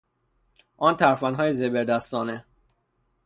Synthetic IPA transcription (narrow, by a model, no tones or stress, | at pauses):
ʔɒːnt̪ʰæɾfænɦɒːjezebeɾd̪æst̪ɒːne